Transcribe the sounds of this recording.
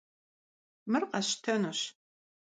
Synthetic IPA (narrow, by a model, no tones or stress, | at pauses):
mɨrqɐɕtʰɐnuːɕ